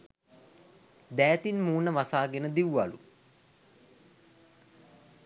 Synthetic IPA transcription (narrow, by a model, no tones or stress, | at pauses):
d̪æːt̪inmuːnəʋasaːɡenəd̪iwʋalṵ